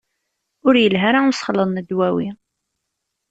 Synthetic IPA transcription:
ʊɾjəlɦaɾaʊsχlənːəd̪wæwi

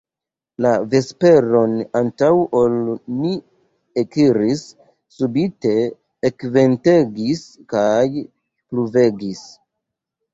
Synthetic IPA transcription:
lave̞spe̞ɾo̞nantawʔolni | ekiɾisː | ubite̞ː | kve̞nteɡiskaj | pluve̞ɡis

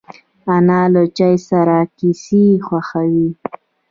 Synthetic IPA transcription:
anɑlot͡ʃajsaɾakisixwaxawi

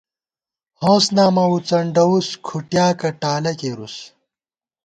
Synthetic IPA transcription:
hõːsnaːmɐwut͡sɐɳɖɐwuskʰuʈjaːkɐʈaːlɐkeːɾus

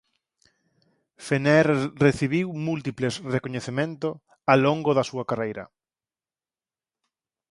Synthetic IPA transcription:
fenɛɾreθiβiwmult̪iplesrekoɲeθemẽnt̪ʊ | aloŋɡoðɐsuɐkarejɾɐ̰

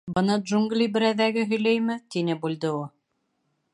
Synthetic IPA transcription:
bɤ̆nɤd̪ʒuŋɡlʲibɘ̆ɾæðæɡɘɦɵ̆jlæjmɘt̪inɘbuld̪ɤu

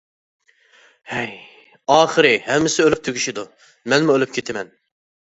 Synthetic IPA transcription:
hɛj | ɑːχəɾɪhɛmːɪsɪølyp̚t̪ʰøɡʲiʃid̪u | mɛnmuølyp̚ʲkʲʰet̪ʰɪmɛn

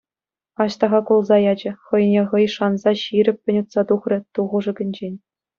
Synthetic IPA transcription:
ɑɕt̪ɑʁɑkulˠzɑjɑd͡ʑɘ̆χɤ̆j̆nʲeʁɤ̆jʂɑnzɑɕiɾʲɘ̆pʲːɘ̆nʲut̪sɑt̪uχrʲɘ̆t̪uʁɤ̆ʐɤ̆ɡʲɘ̆nʲd͡ʑenʲ

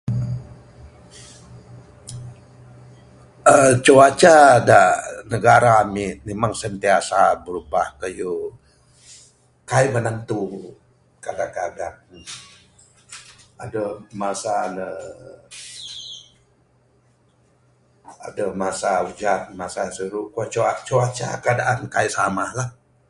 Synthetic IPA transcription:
ət͡ʃuat͡ʃadanəɡaɾaːmɪmemaŋsənt̪iasabəɾubahkəju | kajmənənt̪u | kadakəadat̚ | adəmasanə | a̰dəmasaud͡ʒat̪̚masasəɾukuat͡ʃat͡ʃoat͡ʃa̰kəadaʔankajʔsamahlah

